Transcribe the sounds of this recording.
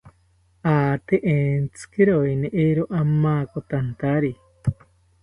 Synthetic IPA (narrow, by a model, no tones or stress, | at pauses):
aːt̪eʔeːnt͡sɨ̥keɾojneʔeɾoʔamaːkot̪ant̪aɾi